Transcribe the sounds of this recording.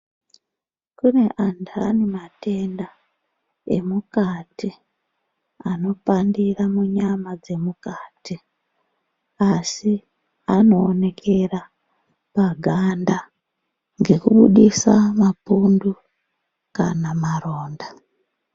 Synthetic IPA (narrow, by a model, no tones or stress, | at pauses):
kune̞ʔantʰanimate̞nda | ḛmukati | ano̞pandiramuɲamad͡ze̞mukaːti | asi | ano̞ːne̞kʰe̞ra | paɡʱanda | ŋɡe̞kuɓṵɗisamapundu | kanamaro̞ːnda